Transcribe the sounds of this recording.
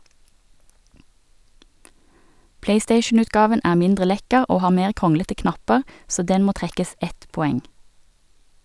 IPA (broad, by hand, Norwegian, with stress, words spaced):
ˈpleɪˌsteɪʃn̩ʉtˌɡɑːʋən ˈæː ˈmɪndʁə ˈlɛkəʁ ˈoː ˈhɑː ˈmeːʁ ˈkʁʊŋlətə ˈknɑpəʁ ˈsoː ˈdɛn ˈmoː ˈtʁɛkəs ˈɛt pɔˈɛŋ